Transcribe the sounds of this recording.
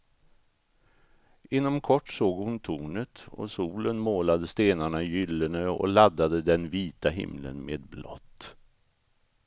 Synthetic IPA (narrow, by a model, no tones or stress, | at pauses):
ʔɪnːɔmkʰɔʈːsoːɡhʊnt̪ʰuːnət̪ɔ̰suːlənmoːlad̪əst̪eːnaɳajʏlːənøɔ̰lad̪ːad̪əd̪ɛnviːt̪aɦɪ̰mlə̰nmḛːd̪blɔ̰t̪ː